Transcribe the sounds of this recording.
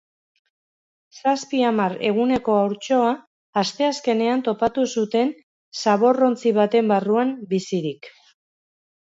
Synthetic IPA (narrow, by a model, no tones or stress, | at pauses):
saspiamaɾe̞ɣ̞une̞ko̞awɾt͡ʃo̞aː | st̪e̞aske̞ne̞ant̪o̞pat̪usut̪e̞n | saβo̞ro̞nt͡siβat̪e̞mbaruambisiɾik